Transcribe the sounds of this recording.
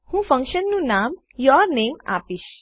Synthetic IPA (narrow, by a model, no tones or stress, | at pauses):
hũːfə̃ŋkʃənːũnam | jɔɾneːma̰piʃ